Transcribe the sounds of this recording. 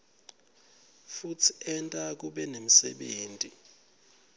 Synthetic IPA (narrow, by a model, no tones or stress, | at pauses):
futʰi̥ɛntʼak̬uɓɛnemisɛɓeːntʼi